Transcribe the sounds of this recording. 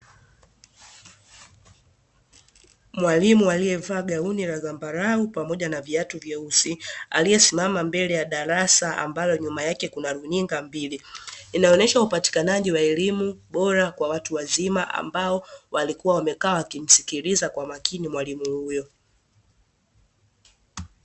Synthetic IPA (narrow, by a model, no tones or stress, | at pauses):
mwalimualijɛvaːɡauniɾazambaɾaupamɔʄanaviatuvjɛusia̰lijɛsimamambɛlɛjaɗaɾasaa̰mbajɔɲumajakɛkunaɾuniŋɡambiliːnaɔnɛʃaupati̥kanaʄiwaɛlimuɓɔɾakwawatuwazimaʔa̰mbaɔwalikuwawamɛkaawakim̩sikilizakwamakinimwalimuhujɔ